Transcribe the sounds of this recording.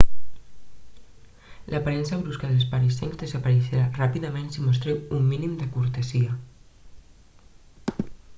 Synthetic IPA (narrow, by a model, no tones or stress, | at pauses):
lʔəpaɾɛnsəβɾuskaðəs̬paɾiseŋzðəzəpəɾiʃeɾarapiðəmẽnsimus̬t̪ɾewumːinimd̪əkuɾt̪əziə